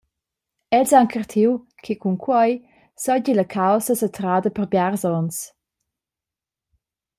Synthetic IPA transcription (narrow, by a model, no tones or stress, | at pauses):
ɛlsaŋkərt̪ʰiw | kʰikʰuŋkʰwɔj | sɔɟiləkʰawsəsət̪ɾadəpəɾbjaɾzɔns